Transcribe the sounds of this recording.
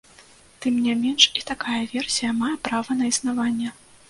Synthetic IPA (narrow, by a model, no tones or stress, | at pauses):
t̪ɨmnʲamʲɛnʂit̪akajɐvʲɛrsʲijɐmajɐpɾavɐnɐisnavanʲːɛ